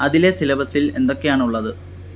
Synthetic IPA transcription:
ɐðile̞silɐbɐsile̞nd̪o̞kːe̞jaːɳuɭːɐðɨ

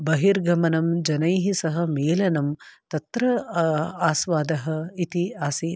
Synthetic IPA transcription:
bɐɦiɾɡʱɐmɐnɐmd͡ʒɐnɐjɦisɐɦɐ̆meːlɐnɐmt̪ɐt̪ɾɐ | aːsʋaːd̪ɐɦɐit̪iaːsi

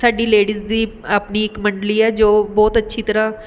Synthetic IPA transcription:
saːɖiːleːɽiːzd̪iːəpniːɪkməɳɖliːɛːd͡ʒoːbɔːt̪ətːʃʰiːt̪əɾãː

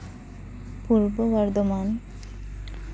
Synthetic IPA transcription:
puɾbowaɾd̪oman

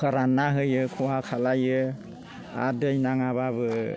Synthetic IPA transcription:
kaɾanaɦɯjɯkʰuwakʰalajɯ | a̰dɯjnaŋaβaβɯ

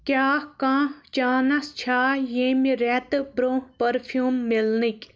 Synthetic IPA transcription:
kʲaːkãːt͡ʃaːnɐst͡ʃʰaːjeːmiɾɛt̪ɨbɾõːhpɐɾfʰjuːmːilnikʲ

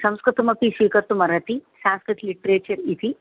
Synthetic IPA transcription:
sɐmskɾɨɾt̪umɐpisʋiːkəɾt̪umɐɾɐt̪isãːmskɾɨt̪ʰliʈɾeːt͡ʃɐɾit̪ʰi

